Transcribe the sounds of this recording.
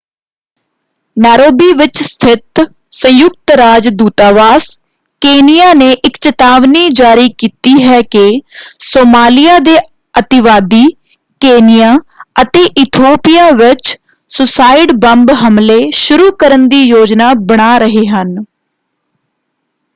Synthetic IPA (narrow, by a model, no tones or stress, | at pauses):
nɛːɾoːbiːʋɪt͡ʃst̪ʰɪt̪ | sə̃jʊk̚t̪ɾaːd͡ʒd̪uːt̪aːʋaːs | keːnɪjaːneːʔɪkt͡ʃət̪aːʋniːd͡ʒaːɾiːkiːt̪iːɦɛːkɪsoːmaːlɪjaːd̪eː | ət̪ɪʋaːd̪iː | keːnɪjaːət̪eːʔɪt̪ʰoːpijaːʋɪt͡ʃ | sʊsaːɪɖbəmbɦəmleːʃʊɾuːkəɾənd̪iːjoːd͡ʒnaːbəɽ̃aːɾəɦeːɦən